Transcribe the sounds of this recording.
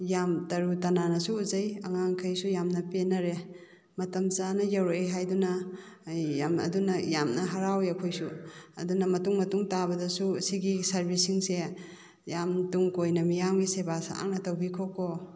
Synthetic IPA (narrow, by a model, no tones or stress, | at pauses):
jamtɐɾutɐnanɐsuːzɐjɐŋaŋkʰɐjsujamnɐpenɐɾe | mɐtɐmzanɐjɐwɾojɦajdunɐ | jamɐ̰dunɐjamnɐɦaɾawjɐkʰojsuɐ̰dunɐmɐtuŋmɐtuŋtabɐdɐsusiɡisɐɾbisiŋse | jamtuŋkojnɐmijamɡisebasa̰ŋnɐtɐwbikʰoko